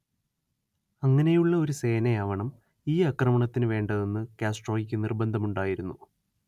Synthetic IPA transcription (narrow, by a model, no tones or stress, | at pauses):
ɐŋːɐne̞juɭːɐo̞ɾuse̞ːnɐjaːʋɐɳɐm | iːɐkrɐmɐɳɐt̪ːinɨʋe̞ːɳɖɐðe̞nːɨkaːsʈro̞ːjikʲːɨnirbɐnd̪ʱɐmuɳɖaːjiɾunːu